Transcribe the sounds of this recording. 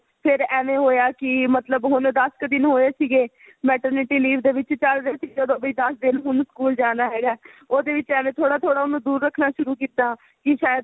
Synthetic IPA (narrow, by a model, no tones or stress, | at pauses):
pʰɪɾɛːʋẽːɦoːjaːkɪmət̪ləbɦʊnd̪əskd̪ɪnɦoːeːsiːɡeː | mɛːʈəɾnɪʈiːliːʋʰd̪eːʋɪt͡ʃt͡ʃəlɾeːsiːɡd̪õːbəiːd̪əsd̪ɪnɦʊnskuːld͡ʒaːnaːɦɛːɡaːoːd̪eːʋɪt͡ʃɛːʋẽːt̪ʰoːɽaːt̪ʰoːɽaːʊnõːd̪uːɾːəkʰːnaːʃʊɾuːkiːt̪aː | kɪʃaːjəd̪